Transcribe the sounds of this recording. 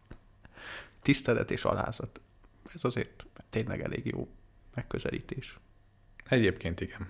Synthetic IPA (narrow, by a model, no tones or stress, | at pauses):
t̪ist̪ɛlɛt̪eːʃɒ̰lʔa̰ːzɒt̪ | ɛzɒzeːrt̪t̪ːeːnlɛɡɛleːɡjoːmɛkːøzɛliːt̪eːʃ | ɛɟeːpkeːnt̪iɡɛn